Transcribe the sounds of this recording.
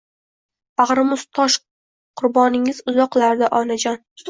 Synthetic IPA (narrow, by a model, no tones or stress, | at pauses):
baʁɾɪmʊz̥t̪ʰɒʃ | qʰʊɾbɒnɪŋɪzʊzɒqlaɾd̪ɪʔɒnad͡ʒɒn